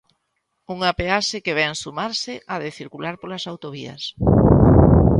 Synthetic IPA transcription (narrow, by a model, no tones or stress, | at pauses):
uŋapeaʃɪkeβɛŋsumaɾsɪʔaðeθiɾkulaɾpolasawt̪oβiɐ̰s